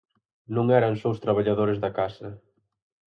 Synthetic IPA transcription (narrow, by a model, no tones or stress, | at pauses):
nõŋɛɾɐŋsowst̪ɾaβ̞aʎaðoɾezðɐkasɐ